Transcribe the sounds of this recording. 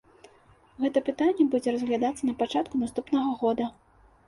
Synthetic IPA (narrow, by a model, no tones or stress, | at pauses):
ɣɛt̪ɐpɨt̪anʲːɛbud͡zʲɛɾɐzɣlʲad̪at̪sːɐnɐpat͡ʂat̪kunast̪upnɐɣɐɣɔd̪ɐ